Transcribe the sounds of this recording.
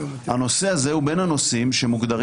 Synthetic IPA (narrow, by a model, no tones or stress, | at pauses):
hano̞seaze̞ube̞nhano̞simʃe̞muɡd̪aʁ